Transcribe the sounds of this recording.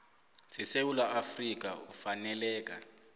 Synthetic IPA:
sɛsewulaafrik̬a̰ufanɛlɛːk̬ʼa

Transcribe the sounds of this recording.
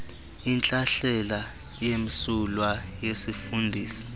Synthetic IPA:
int͡ɬʼaɬɛla | jemisulwajesifundʱiːsi̥

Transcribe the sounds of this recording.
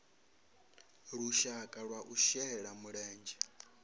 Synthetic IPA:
ɺuʃakʼaɺwaʔuʃɛɺamuɺɛːnd͡ʒɛ

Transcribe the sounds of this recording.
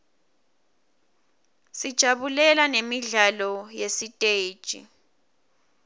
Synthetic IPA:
sid̥ʒ̥ʱaɓulɛlanemiɮalɔjesitʼeːd̥ʒ̥ʱḭ

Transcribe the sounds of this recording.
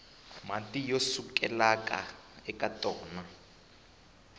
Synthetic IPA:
matʼijosukʼɛlakʼa̰ɛkʼatʼɔːna

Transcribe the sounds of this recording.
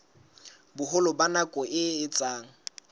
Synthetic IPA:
bʊɦʊlɔbanakʼɔʔɪɪt͡sʼaːŋ̩

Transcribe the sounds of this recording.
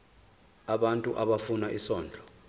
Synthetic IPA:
aɓantʼuʔaɓafunaʔisɔːnd͡ɮʱɔ̥

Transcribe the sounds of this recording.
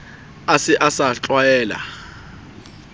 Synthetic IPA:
asɪʔasat͡ɬʼwajɛːla̰

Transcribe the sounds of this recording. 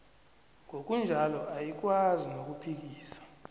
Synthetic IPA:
ŋʱok̬ʼund͡ʒʱalɔʔajik̬ʼwazinok̬ʼupʰik̬iːsḁ

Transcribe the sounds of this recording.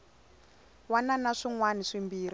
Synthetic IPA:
wananaʂiŋwaniʂimbiːri

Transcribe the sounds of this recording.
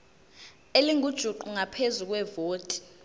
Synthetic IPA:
eliŋʱud̥ʒ̥ʱuǃuŋapʰezuk̬ʼwɛvoːtʼi̥

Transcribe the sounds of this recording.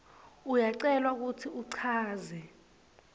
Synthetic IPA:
ujaǀɛlwauk̬utʰiuǀʰaːzɛ

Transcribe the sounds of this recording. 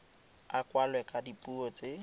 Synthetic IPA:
akʼwalwɛkʼadipʼuot͡sʼɪ

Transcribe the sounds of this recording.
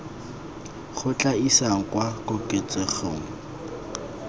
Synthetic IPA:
χʊt͡ɬʼaisaŋ̩kwakʊkʼet͡sʼeχoŋ̩

